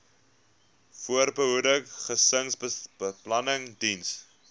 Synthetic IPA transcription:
fuərbəɦudəkχəsəŋsbəbəplɐnəŋdins

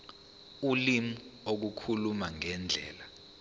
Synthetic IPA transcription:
ulimuuok̬ukʰulumaŋɛnd͡ɮʱɛ̰ːla

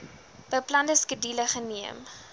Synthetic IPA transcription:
b̥əjplɐndəskədiləχəniəm

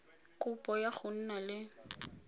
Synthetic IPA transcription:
kʼʊpʼɔjaɣʊn̩nalɪ

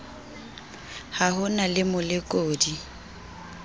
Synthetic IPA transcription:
hahʊnalɪmʊlɪkʼoːdi

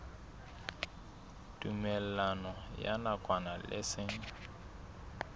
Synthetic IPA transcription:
tʼumɛl̩anɔja̰nakʼwanalʔɪ̰sɪŋ̩

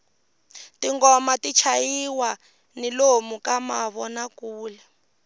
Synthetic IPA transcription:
tiŋɡɔmatit͡ʃʰajiwa | nilomukamaβɔnakuːlɛ

